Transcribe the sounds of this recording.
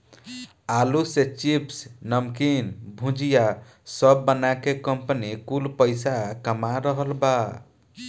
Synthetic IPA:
aluset͡ʃipsnəmkinbʱũd͡ʒija | səbːənakekəmpənikulpəɪsakəmaɾəɦəlba

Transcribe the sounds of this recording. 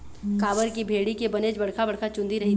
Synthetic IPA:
kaːʋəɾkibʱeːɽikebɐneːd͡ʒbɐɽ̤kʰabɐɽkʰat͡ʃʊ̃nd̪ʱiɾɐɦi

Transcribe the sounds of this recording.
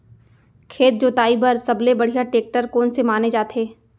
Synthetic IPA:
kʰeːt̪̚d͡ʒoːt̪aːibəɾsɐblebɐɽ̤ijaʈeːk̚ʈəɾkoːnsemaːned͡ʒaːt̪eː

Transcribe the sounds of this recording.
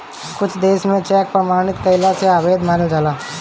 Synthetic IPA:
kʊt͡ʃʰd̪eːʃmẽt͡ʃɛːk̚pɾɐmaːɽ̃ɪt̪kəɪlaseaːʋeːd̪maːnld͡ʒalaː

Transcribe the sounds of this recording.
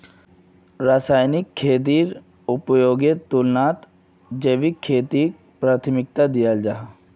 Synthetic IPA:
ɾaːsaːjnɪkʰːeːt̪̬iːɾ | ʊpjoːɡet̪ulnaːt̪ | d͡ʒeʋikʰːeːt̪i | pɾaːt̪ʰmɪk̚t̪ad̪ijald͡ʒaɦ

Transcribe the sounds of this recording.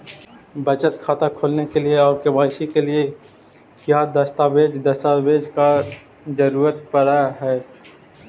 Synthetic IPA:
bɐt͡ʃət̪kʰaːt̪akʰoːlnekelieɔːɾkebaːʃikelie | kjaːd̪ɐst̪aːbeːd͡ʒd̪ɐst̪abeːd͡ʒka | d͡ʒɐɾuːɾət̪̚pəɽaɦɛː

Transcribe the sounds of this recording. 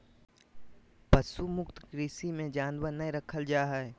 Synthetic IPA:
pɐsumʊkt̪kɾisimẽd͡ʒaːnʋənɐjɾɐkʰəld͡ʒaːɦɛɛ

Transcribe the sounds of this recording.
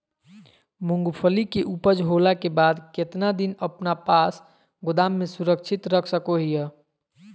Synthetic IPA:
muŋɡpʰəlikeʔupəd͡ʒɦolakebad̪ket̪nad̪inəpnapas | ɡʊd̪amːesuɾək̚t͡ʃʰit̪ɾəkʰsəkoɦijə

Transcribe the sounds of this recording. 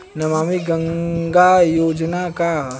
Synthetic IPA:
nɐmaːmiɡə̃ŋɡajoːd͡ʒnaka

